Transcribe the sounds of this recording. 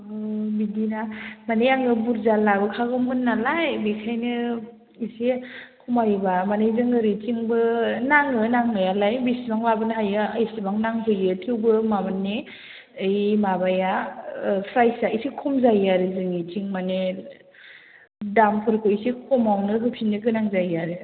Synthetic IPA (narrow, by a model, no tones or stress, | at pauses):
bidinamanejaŋɯbuɾzalabɯkʰaɡɯmɦunːalajbikʰajnɯ | isekʰumajbamanejzɯŋɯɾit͡ʃiŋbɯnaŋɯnaŋnɯjalajbisibaŋlabɯnɦajɯajsibaŋnaŋpʰɯjɯtʰiwbɯmamanːe | ɯjmabaja | pʰɾajsaisikʰɔmzajaɾɯzɯŋit͡ʃiŋmane | dampʰɯɾkʰɯisikʰɔmawnɯɦɯpʰinːɯɡɯnaŋzajaɾɯ